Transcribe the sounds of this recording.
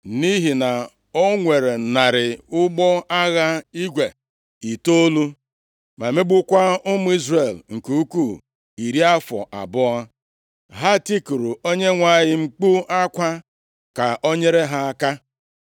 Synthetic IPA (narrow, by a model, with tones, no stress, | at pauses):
ni˦ɦi˨na˨ | o˦ŋʷe˨ɾe˨na˨ɾɪ˨ʊ˦ɡ͡bɔ˦a˦ɣa˦i˦ɡʷe˨ | i˨to˦lu˦ | ma˨me˦ɡ͡bʊ˦kʷa˦ʊ˦mʊ˦i˦zɾe˨lŋ̩˨ku˦u˦ku˦˨ | i˨ɾi˦a˦fɔ̰˨ʔa̰˨bʊ˦a˦ | ɦa˦ti˦ku˨ɾu˨o˦ɲe˦ŋʷa˦ɲɪ˦ŋ͡m̩˦k͡pu˦a˦kʷa˦ | ka˨ʔo˦ɲe˦ɾe˦ɦa˦a˦ka˦